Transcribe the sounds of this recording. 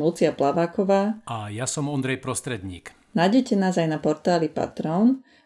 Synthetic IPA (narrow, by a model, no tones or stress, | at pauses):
lut͡siaplaʋaːkɔʋaːajasɔmɔnd̪ɾɛjpɾɔst̪ɾɛd̪ɲḭːk | najɟɛcɛnaːzajnapɔɾt̪aːlipa̰t̪ɾɔːn